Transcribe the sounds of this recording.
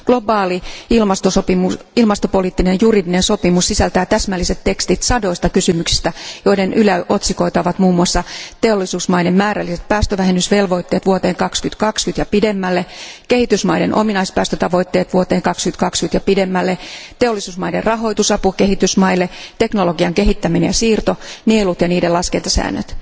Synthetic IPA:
ɡ̥lo̞bɑːliilmɑst̪osopimu | ilmɑst̪opo̞liːt̪ːinenjuridinenso̞pimussisælt̪æjːt̪æsmælːise̞t̪t̪e̞kst̪it̪sɑdo̞ist̪ɑkysymyksi̥st̪æjo̞idenʔylæʔo̞t̪siko̞it̪ɑʋɑt̪muːmːuɑsːɑt̪eo̞lːisuːsmɑidemmæːɾælːiset̪̚pæːst̪øʋæɦenysʋe̞lʋo̞it̪ːe̞ːt̪ʋuot̪eːŋkɑkskyt̪kɑkskyt̪jɑpidemːælːeke̞hit̪ysmɑijdenʔo̰minɑispæːst̪øt̪ɑʋo̞it̪ːe̞ːt̪ʋuot̪eːŋkɑkskynt̪kɑkskyt̪jɑpidemːælːet̪eolːisuːsmɑiderrɑɦo̞it̪usɑpukehit̪ysmɑilːet̪eknoloɡiɑŋke̞ɦit̪ːæminejɑsiːrt̪o̞neelut̪jɑniːdelɑskent̪ɑsæ̰ːnːø̰t̪

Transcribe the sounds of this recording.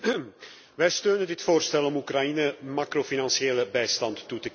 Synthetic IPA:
ʋɛjstøːnəndɪtfoːrstɛlɔmukrainəmaːkrofinɑnsieːləbɛjstɑntːutək

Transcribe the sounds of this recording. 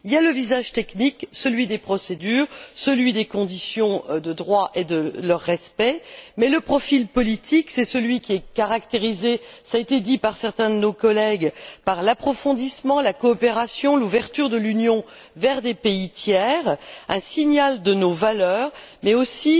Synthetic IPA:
iljaləvizaʒt̪ɛkniksəlɥid̪epχɔsed̪yːʁsəlɥid̪ekɔ̃d̪isjɔ̃d̪əd̪ʁwaʔed̪əlœʁːɛspɛmɛləpχɔfilpɔlit̪ʰiksɛsəlɥikʲiɛkaʁakt̪eʁizesaet̪ed̪ipaʁsɛʁt̪ɛ̃d̪ənokɔlɛɡpaʁlapχɔfɔ̃d̪ismɑ̃lakɔːpeʁasjɔ̃luvɛʁt̪yʁd̪əlynjɔ̃ | vɛʁd̪epeit̪jɛʁɛ̃siɲald̪ənovalœːʁmɛosi

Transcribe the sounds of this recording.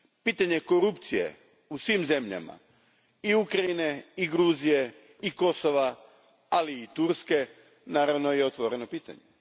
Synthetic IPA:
piːt̪aɲe̞ko̞ɾupt̪sije̞̰ | usʋimze̞mʎa̰ma̰ | iukɾaine̞iɡɾuːzije̞ | iko̞so̞ʋa | aliːt̪uɾske̞ | naːɾaʋno̞jeot̪ʋo̞ɾe̞no̞piːt̪a̰ɲe

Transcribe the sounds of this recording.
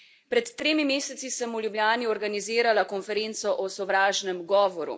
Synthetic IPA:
pɾɛt̪ːɾeːmimeːsɛt̪sisəmulʲjubljaːniɔɾɡaniziːɾalakɔnfɛɾent̪sɔʔɔsɔʋɾaːʒnɛmɡɔːʋɔɾṵ

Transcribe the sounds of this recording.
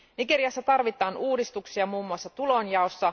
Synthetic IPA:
niɡeɾiɑsːɑt̪ɑrʋit̪ˑɑːnuːdist̪uksiɑmuːmːuɑsːɑt̪ulo̞njɑo̞sːɑ

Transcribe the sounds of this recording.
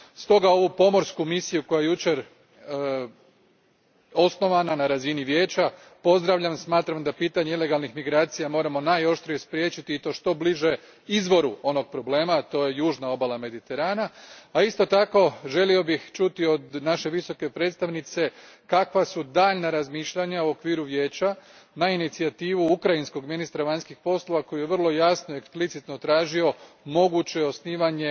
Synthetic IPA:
st̪o̞ɡao̞ʋupo̞mo̞ɾskumisijuko̞jajejut͡ɕe̞ɾ | o̞sno̞ʋananaɾaziniʋje̞ːt͡ɕa | po̞zd̪ɾaʋʎamsmaːt̪ɾamd̪apiːt̪aɲeileɡalˠnixmiɡɾaːt̪sijamo̞ːɾamo̞najo̞ʃt̪ɾijespɾje̞ːt͡ɕit̪iːt̪o̞ʃt̪o̞bliʒe̞ | izʋo̞ɾuo̞no̞ɡ̚pɾo̞ble̞ːmat̪o̞ːje̞juːʒnao̞balame̞d̪it̪e̞ɾaːnaaist̪o̞t̪ako̞ʒe̞lio̞bixt͡ʃut̪io̞d̪naʃe̞ʋiso̞ke̞pɾe̞ːt̪st̪aʋnit̪se̞ | kakʋasud̪aːʎnaɾazmiːʃʎaɲauokʋiːɾuʋjeːt͡ɕa | nainit̪siat̪iːʋuukɾainsko̞ɡminist̪ɾaʋaɲskixpo̞slˠo̞ʋako̞jujeʋr̩lˠo̞jasnoieksplit̪sit̪no̞t̪ɾaːʒio̞ | mo̞ɡut͡ɕe̞osniːʋaɲe̞

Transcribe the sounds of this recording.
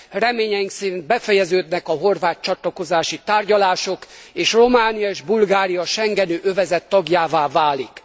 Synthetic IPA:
rɛmeːɲɛjiŋksɛɾind̪̚bɛfɛjɛzøːd̪nɛkɒɦo̞rvaːt̪̚t͡ʃɒt̪lɒko̞zaːʃit̪aːrɟɒlaːʃo̞keːʃro̞maːnijɒeːʒbulɡaːɾijɒʃɛŋɡɛnøːʔøvɛzɛt̪ːɒɡjaːvaːvaːlik

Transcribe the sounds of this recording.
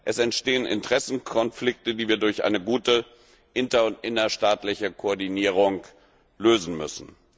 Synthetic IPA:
ʔɛsɛntʃteːənʔɪ̰ntəʁ̥ɛsn̩kʰɔnflɪk̚tədiːviːɐdʊɐçʔa̰ɪnəɡuːtə | ʔɪntɐʊntʔɪnɐʃtaːtlɪçəkʰoɔɐdiniːʁ̞ʊŋ | løːzn̩mʏ̰sn̩

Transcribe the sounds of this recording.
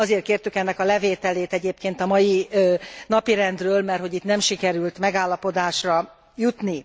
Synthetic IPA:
ɒzeːrt̪keːrt̪ykɛnːɛkɒlɛveːt̪ɛleːt̪ɛɟeːpkeːnt̪ɒmɒji | nɒpiɾɛnd̪røːlmɛrhoɟit̪nɛmʃikɛɾylt̪mɛɡaːlːɒpo̞d̪aːʃrɒ | jut̪ni

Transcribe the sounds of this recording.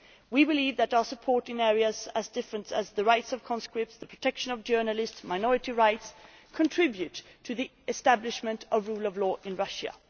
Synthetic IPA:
wibɨlivðɨɾaʊə˞səpʰɔɹɾɨ̃nɛɹiɨzəzdɪfɹə̃ntsɨzðəɹaɪtsʌv̥kʰɑ̃nskɹɪp̚tsðəpʰɹ̥ɨtʰɛkʃə̃nʌvd͡ʒɜ˞nəlɪstsmaɪnɔɹɨɾiɹaɪts | kʰə̃ntʰɹ̥ɪbjʉtʰː | ɨði | ɨstæblɪʃmɨ̃ntʰʌvɹulˠʌvlɔːʔɪ̃nɹʌʃə̰

